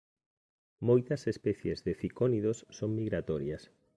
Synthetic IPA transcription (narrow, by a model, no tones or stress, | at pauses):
mojt̪ɐsespɛθjezðeθikoniðosːoŋmiɣɾat̪ɔɾjɐs